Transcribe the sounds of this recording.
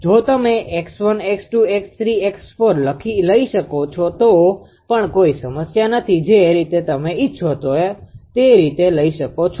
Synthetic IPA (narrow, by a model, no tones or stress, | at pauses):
d͡ʒot̪əmeʔeksʋəneksʈuekst̪ʰɾieksfoɾləkʰiləiʃəkot͡ʃʰot̪o | pəɳkoisəməsjanət̪ʰid͡ʒeɾit̪et̪əmeitːʃʰoɦt̪oet̪eɾit̪eləiʃəkot͡ʃʰ